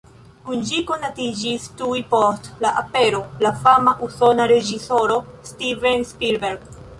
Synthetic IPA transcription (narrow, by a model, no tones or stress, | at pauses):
kund͡ʒiko̞natid͡ʒistujpostlaʔape̞ɾolafamaʔuso̞naɾe̞d͡ʒiso̞ɾostivenspiɾbeɾɡ